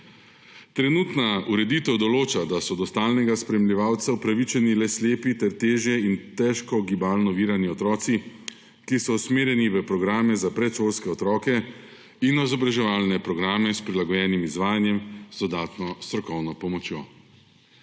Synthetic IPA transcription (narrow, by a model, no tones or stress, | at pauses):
t̪ɾɛnuːt̪nauɾɛd̪it̪ɛwd̪ɔloːt͡ʃad̪asɔd̪ɔst̪aːlnɛɡaspɾɛmliʋaːwt̪saupɾaʋit͡ʃɛnilɛsleːpit̪ɛɾt̪eːʒjɛint̪ɛʃkɔɡibaːlnɔʋiːɾaniɔt̪ɾɔːsi | kisɔusmeːɾjɛniʋəpɾɔɡɾaːmɛzapɾɛt̪ʃolskɛɔt̪ɾɔːkɛ | inɔjzɔbɾaʒɛʋaːlnɛpɾɔɡɾaːmɛspɾilaɡɔjɛːnimizʋaːjanjɛmzd̪ɔd̪aːt̪nɔst̪ɾɔkɔwnɔpɔmɔt͡ʃjoː